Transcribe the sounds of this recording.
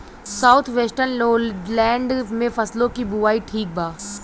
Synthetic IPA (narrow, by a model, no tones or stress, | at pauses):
saːʊt̪ʰʋeːsʈənlɛ̃ːɳɖmẽfɐslõkibuʋaːiʈʰiːk̚baː